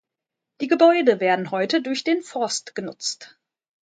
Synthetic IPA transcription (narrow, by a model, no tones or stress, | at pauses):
d̥iːɡəbɔʏdəveːɐdn̩ɦɔʏtədʊɐçd̥eːnfɔɐstɡ̥ənʊt͡st